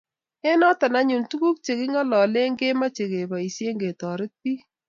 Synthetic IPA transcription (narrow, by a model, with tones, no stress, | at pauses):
ɛ˦nɔ˦ta˨na˦ɲu˨ntu˦ku˦k̚t͡ʃe˨kɪ˦ŋɔ˦lɔ˨le˦ŋɡe˦ma˦t͡ʃe˨ke˨bɔ˨i˨sje˦ŋɡe˨tɔ˨ɾɪ˦t̚pi˦